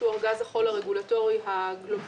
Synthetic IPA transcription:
uaʁɡazaχo̞laʁeɡulato̞ʁihaɡlob

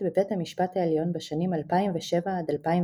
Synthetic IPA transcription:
bebethamiʃpathaeljo̞nbeʃanimalpaimveʃevaad̪alpaim

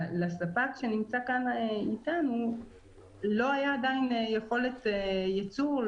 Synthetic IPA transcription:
lasapakʃe̞nimt͡sakanitanu | lo̞ajaːdainjeχo̞le̞tjat͡suʁ

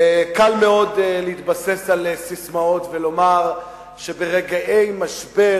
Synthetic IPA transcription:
kalme̞o̞dleit̪base̞salsismao̞t̪velo̞maʁ | ʃebeʁeɡaʔe̞jmaʃbe

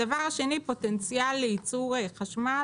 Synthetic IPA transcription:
avaʁaʃe̞nipo̞tent͡sjalːeit͡suʁeχaʃma

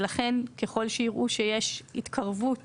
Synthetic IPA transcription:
laχe̞nke̞χo̞lʃeiʁʔuʃejeʃit̪kʰaʁvut

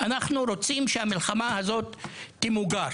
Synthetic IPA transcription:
ʔanaχnuɾo̞t͡simʃehamilχamahazo̞t̪ːimuɡa

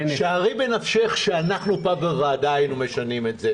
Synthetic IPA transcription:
ʃaaʁibenafʃeχʃeanaχnupaveʁaːd̪aajnume̞ʃanime̞tze

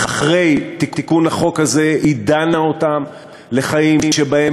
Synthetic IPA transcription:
aχʁe̞jt̪itikunaχo̞khaze̞ʔid̪anaotam | le̞χajimʃebae

